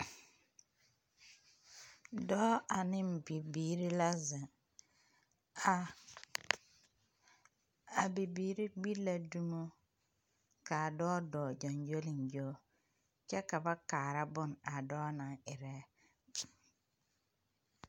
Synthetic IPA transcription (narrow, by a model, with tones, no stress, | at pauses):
dɔː˦a˨nɪ˦˨bi˨biː˨ɾi˦la˦zɪ˨ | a˨ | a˨bi˨biː˨ɾi˦ɡ͡bi˦la˦du˦mo˦ | ka˨dɔː˦dɔː˨d͡ʒɔ˨nd͡ʒo˦lɪ˨nd͡ʒo˦ | t͡ʃɛ˦ka˨ba˦kaː˨ɾa˦bʊ˦˨na˨dɔː˦na˨ŋɪ˨ɾɛ˦